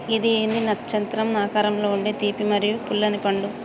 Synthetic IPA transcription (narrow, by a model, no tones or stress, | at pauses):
id̪ie̞ːnd̪inɐt̪ːt͡ʃɐnt̪ɾɐmnaːkaːɾɐmlo̞ːuɳɖeːt̪iːpimɐɾijupulːɐnipɐɳlu